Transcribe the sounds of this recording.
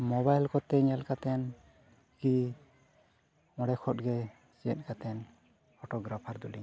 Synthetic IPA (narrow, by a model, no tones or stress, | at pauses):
mɔbajlkɔt̪ɛɲɛlkat̪ɛn | ki | ɔ̃ɽɛkʰɔt̪̚ɡɛ | siə̰t̪̚kat̪ɛn | pʰɔʈɔɡɾapʰaɾd̪ulḭɲ